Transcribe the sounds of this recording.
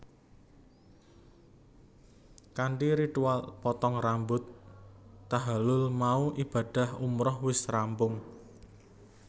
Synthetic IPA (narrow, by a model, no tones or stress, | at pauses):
kaɳʈiɾit̪ualpɔt̪ɔŋrambʊt̪ː | aɦalʊlmauʔib̥a̤ɖ̥a̤humɾɔhwɪsrampʊŋ